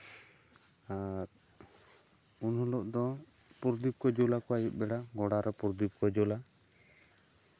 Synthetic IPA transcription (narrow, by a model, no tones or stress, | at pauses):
aɾ | unhɔlɔʔd̪ɔ | puɾd̪ip̚kɔd͡ʒɔlakɔajit̪̚ˀbɛɽaɡɔɽaɾɔpuɾd̪ip̚kɔd͡ʒɔla